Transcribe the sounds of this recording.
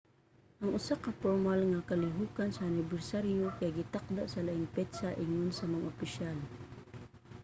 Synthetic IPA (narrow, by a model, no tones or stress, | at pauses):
ʔɐŋʔʊsakapoɾmalŋakalɪɦukansaːnɪbɛrsaɾjokajɡɪt̪ak̚d̪aʔsɐlaʔɪŋpɛd̪saʔɪŋʊnsɐmaŋʔʊpɪʃal